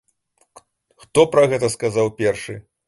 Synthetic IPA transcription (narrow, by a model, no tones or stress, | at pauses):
xt̪ɔpɾɐɣɛt̪ɐskazawpʲɛrʂɨ